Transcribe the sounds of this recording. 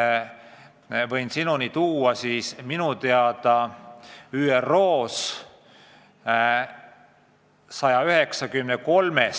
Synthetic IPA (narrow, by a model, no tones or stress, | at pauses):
vɤjnsinunit̪uːɑsiːsminut̪e̞ɑd̪̥ɑ | yːero̞ːs | sɑjɑyɦeksɑkymneko̞lmes